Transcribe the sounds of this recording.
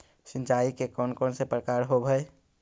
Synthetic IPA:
sɪ̃nt͡ʃaːikekɔːnkɔːnsepɾəkaːɾɦobʱə

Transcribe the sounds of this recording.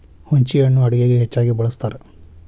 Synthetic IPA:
huɲt͡ʃijɐɳːuɐɽiɡeːɡeɦet͡ʃːaːɡibɐɭɐst̪aːɾe

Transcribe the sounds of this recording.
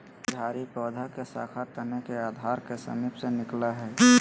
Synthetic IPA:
d̪ʱaːɾipɔːd̪ʱakesa̰ːkʰat̪ənekeaːd̪ʱaːɾkesə̰miːpsenɪklaɦɛː

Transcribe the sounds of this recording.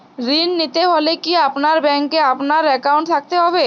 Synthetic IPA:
ɾinːit̪eɦolekiapnaɾbɛŋkeapnaɾɛkawɳʈt̪ʰak̚t̪eɦɔbe

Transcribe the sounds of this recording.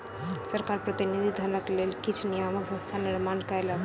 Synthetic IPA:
səɾkaɾpɾət̪inid̪ʱid̪ʱənəklelkit͡ʃʰnijaməksə̃st̪ʰaniɾmankəjla

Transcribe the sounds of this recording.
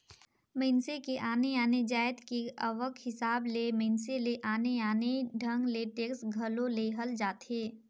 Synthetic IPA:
mẽɪnsekeʔaːneaːned͡ʒaːɪd̪keəʋəkhɪsaːblemẽːnseleʔaːneaːneɖʱɐ̃ŋɡleʈeːksɡʱɐlõleɦəld͡ʒaːt̪eː

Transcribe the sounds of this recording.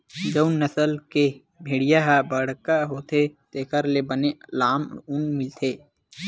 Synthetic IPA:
d͡ʒəʊnnəsəlke | bʱeːɽijaɦabəɽkaɦoːt̪ʰet̪eːkəɾlebənelaːmʊnmɪlt̪ʰeː

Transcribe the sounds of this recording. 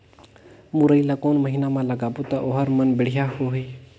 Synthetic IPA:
muɾəilaːkoːnməɦiːnamãləɡaːbot̪aʔoɦəɾmənbɪɽ̤ijahoɦeː

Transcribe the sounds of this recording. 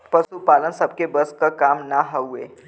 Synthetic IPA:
pəsupalənsəb̚kebəskəkamnaɦəe

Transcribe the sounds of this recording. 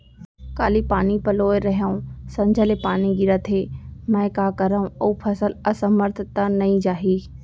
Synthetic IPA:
kaːlipaːnipɐloːeɾɐɦaũsɐ̃ɲd͡ʒʱəlepaːniɡɪɾət̪ʰemɛ̃ːkaːkɐɾaũoupʰɐsələsəməɾt̪ʰət̪anɐĩd͡ʒaːɦiː

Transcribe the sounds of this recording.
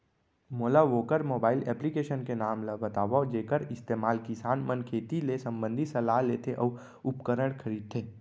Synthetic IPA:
moːlaʋoːkəɾmoːbaːɪlɛːplikeːʃənkenaːmlabɐt̪aːʋad͡ʒeːkəɾɪst̪eːmaːlkɪsaːnmənkʰeːt̪ilesɐ̃mbə̃nd̪ʱisɐlaɦleːt̪ʰeʔɔː | ʊpkəɾəɽkʰɐɾiːd̪̚t̪ʰeː

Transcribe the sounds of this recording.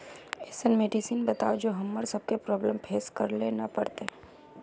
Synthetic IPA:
ɛːsənmeːɖisiːnbɐt̪a̰ːod͡ʒoːɦɐmːəɾsɐb̚kepɾɔːbləmpʰeːskɐɾlenɐpɐɽt̪e

